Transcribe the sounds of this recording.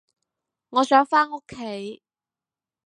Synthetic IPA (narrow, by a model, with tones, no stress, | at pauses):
ŋɔː˨˧sœː˨˥ŋfaː˥no˥kʰːe˨˥j